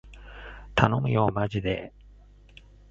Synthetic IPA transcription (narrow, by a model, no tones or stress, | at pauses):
t̪ʰano̞mɯ̟̰jo̞ːmaʑid̪e